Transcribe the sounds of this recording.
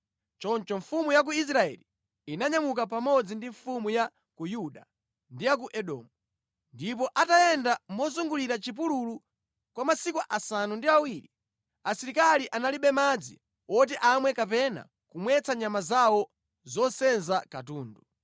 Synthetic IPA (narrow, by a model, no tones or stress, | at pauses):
t͡ʃɔnt͡ʃɔɱfumujak̬uis̬ɾaɛ̰li | inaɲamuk̬ap̬amɔd͡zindiɱfumuja | kujuɗa | ndijak̬uʔɛɗɔ̰mu | ndip̬ɔʔatajɛndamɔzuŋɡuliɾat͡ʃip̬ululu | kwamasikuʔasanundiawiɾi | asiɾikaliʔanaliɓɛmad͡zi | wɔt̬ɛʔamwɛkap̬ɛna̰ | kumwɛt͡saɲamazawɔ | zɔsɛnzakatuːndu